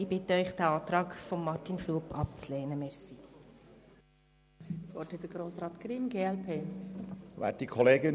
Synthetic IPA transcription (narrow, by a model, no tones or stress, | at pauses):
ɪbɪtəœʏχd̥̪ɛɑːt̪rɑːkfɔmːɑrtinfluəpʰɑpt͡sleːnəmɛɾsi | t͡sʋɔɾthɛtdəɡɾoːsɾɑːt̪ɡɾɪmɡeːɛlpʰeː | ʋæ̰ːt̚d̥ikʰɔleːɡə